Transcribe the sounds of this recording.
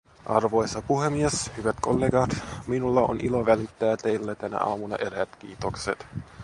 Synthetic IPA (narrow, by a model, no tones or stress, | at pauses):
ʔɑrʋo̞jsɑpuɦemieshyʋæt̪ko̞lːeːɡɑt̪minulːɑo̰nilo̞ʋælit̪ːæːt̪e̞jlːæt̪ænæ̰ʔɑ̰ːmunɑ̰ʔeɾææt̪k̟ḭːt̪okset̪